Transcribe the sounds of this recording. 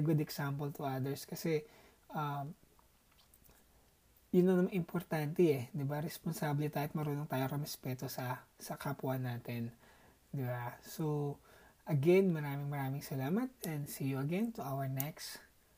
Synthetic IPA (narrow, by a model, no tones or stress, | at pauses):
ɡʊd̪ɛksampɐlt̪ʊɐd̪ɛɹskɐsɛ | ʔɐm | jʊnːɐnɐmaŋʔɪmpʰoɾt̪ant̪ɛɛd̪ɪbaɾɛsponsaːblɪt̪aːɪt̪̚mɐɾuːnoŋt̪aːjoŋɾɛmɛspɛːt̪osɐsɐkapuɐnːaːt̪ɛn | d̪ɪbaso | ʔɐɡɛnmɐɾaːmɪŋmɐɾaːmɪŋsɐlaːmɐt̪̚ɛ̃nd̪sijuɐɡɛnt̪uʔawɐɹnɛks